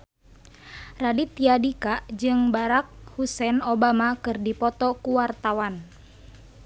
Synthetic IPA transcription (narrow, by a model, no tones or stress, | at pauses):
radit̪iadikaʔd͡ʒɨŋbaɾak̚husɛnobamakɨrdipɔt̪ɔkuwart̪awan